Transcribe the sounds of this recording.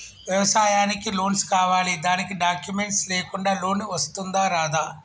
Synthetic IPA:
ʋjɛʋɐsaːjaːnikiloːnskaːʋaːlid̪aːnikiɖaːkjume̞ɳʈsleːkuɳɖaːlo̞ːniʋɐst̪und̪aːɾaːd̪aː

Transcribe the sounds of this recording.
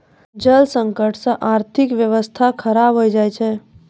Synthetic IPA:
d͡ʒəlsə̃ŋkəʈʰsə̃ʔaːɾt̪ʰɪkʋjəʋəst̪ʰakʰəɾabɦoid͡ʒaːɛt͡ʃʰɛ

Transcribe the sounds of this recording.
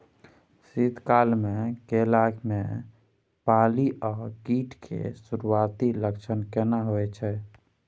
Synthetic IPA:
sid̪ʱkalmekelaɡme | paliʔakiʈkʰḛsuɾuat̪iləkt͡ʃʰənkɛnaɦoɛt͡ʃʰɛ

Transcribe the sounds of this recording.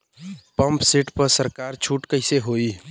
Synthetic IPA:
pɐ̃mpsiʈpəɾsəɾkaːɾt͡ʃʰuːʈkəɪseɦoːi

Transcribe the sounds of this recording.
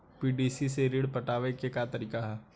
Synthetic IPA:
piːɖiːsiseɾiɽpɐʈaːʋekekat̪ɐɾiːkaɦɛː

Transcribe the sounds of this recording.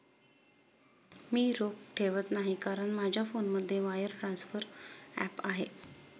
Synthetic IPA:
miːɾokʈʰeʋət̪naɦikaɾəɳmad͡ʑʱjafonməd̪ʱːjeʋajəɾʈɾansfəɾæ̰paɦe

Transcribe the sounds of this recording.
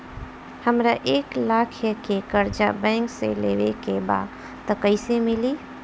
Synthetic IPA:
həmɾaʔeklakʰjəkekəɾd͡ʒabɛ̃ɪŋksḛlḛʋekeba̰d̪ | t̪ɔkəɪsemili

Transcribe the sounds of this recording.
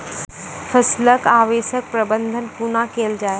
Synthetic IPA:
fʰəsləkaːʋeːʃək̚pɾɐbə̃nd̪ʱənkunakeːld͡ʒaːe

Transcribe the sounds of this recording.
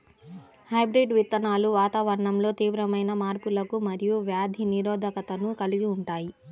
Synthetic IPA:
hɐjbɾiɖʋit̪ːɐnaːluʋaːt̪aːʋɐɾɐɳɐmlo̞ːt̪iːʋɾɐmɐjnɐmaːɾpulɐkumɐɾijuʋjaːd̪ʱiniɾɔːd̪ʱɐkɐt̪ɐnukɐliɡiuɳʈaːji

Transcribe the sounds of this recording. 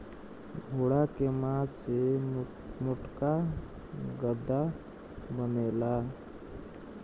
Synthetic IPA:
ɡʱoːɽakemãse | mʊʈka | ɡəd̪a | bəneːla

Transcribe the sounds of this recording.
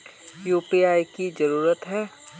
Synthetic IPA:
juːpiaːjkizɐɾuːɾət̪ɦɛː

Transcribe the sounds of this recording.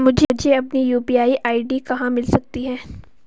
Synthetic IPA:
mʊd͡ʒʱd͡ʒʱeɐpnijuːpiːaːiʔaːiɖikɐɦãmɪlsɐk̚t̪iɦɛː

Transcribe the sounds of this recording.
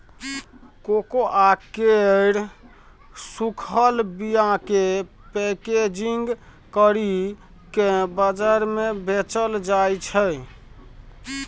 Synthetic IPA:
kokoʔakeɽ | sukʰəlbijãke | peked͡ʒiŋɡ | kəɾi | kebəd͡ʒaɾmebet͡ʃəld͡ʒajt͡ʃʰəj

